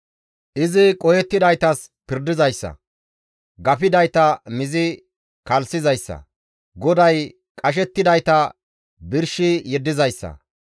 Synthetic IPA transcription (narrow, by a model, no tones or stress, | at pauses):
ʔɪzɪkʼɔjɛt̪ːɪd̪ɐjt̪ɐs | pɪɾd̪ɪzɐjsːɐ̰ | ɡɐfɪd̪ɐjt̪ɐmɪzɪ | kɐlsɪzɐjsːɐ̰ | ɡɔd̪ɐj | kʼɐʃ̬ɛt̪ːɪd̪ɐjt̪ɐ | bɪɾʃɪjɛd̪ːɪzɐjsːɐ̰